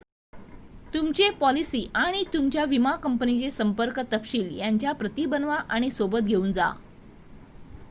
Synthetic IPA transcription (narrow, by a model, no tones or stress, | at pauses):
t̪umt͡ɕepɔlisiːʔaɽ̃it̪umt͡ɕjaʋimakəmpənit͡ɕesəmpəɾkt̪əpɕiːljaɲt͡ɕjapɾət̪ibənʋaʔaɽ̃isobət̪̚ɡʱeuːnd͡za̰